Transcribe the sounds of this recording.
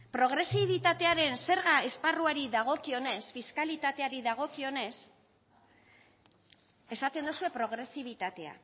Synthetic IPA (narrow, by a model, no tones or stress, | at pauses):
pɾo̞ɣɾe̞siβ̞it̪at̪e̞aɾe̞nse̞ɾɣae̞sparuaɾiðaɣ̞o̞kio̞ne̞sfiskalit̪at̪e̞aɾiðaɣ̞o̞kio̞ne̞s | e̞sat̪e̞nd̪usue̞pɾo̞ɣ̞ɾe̞siβ̞it̪at̪e̞a̰